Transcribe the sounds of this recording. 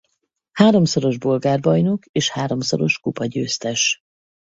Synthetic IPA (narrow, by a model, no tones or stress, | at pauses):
haːɾo̞mso̞ɾo̞ʒbo̞lɡaːrbɒjno̞keːʃhaːɾo̞mso̰ɾo̞ʃkupɒɟøːst̪ɛʃ